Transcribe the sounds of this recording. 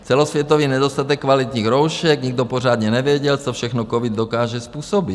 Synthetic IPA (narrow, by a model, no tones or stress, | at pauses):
t͡sɛlɔsʋjɛt̪ɔʋiːɲɛd̪ɔst̪at̪ɛkːʋalit̪ɲiːɣɾɔwʃɛɡɲiɡd̪ɔpɔraːd̪ɲɛnɛʋɪɛɟɛlt̪ɔfʃɛxnɔkɔʋid̪ːɔkaːʒɛspuːsɔbi